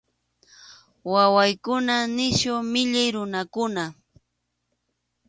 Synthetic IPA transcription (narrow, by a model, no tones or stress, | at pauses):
wawajkʊnanɪʃʊmɪʎajɾʊnakʊna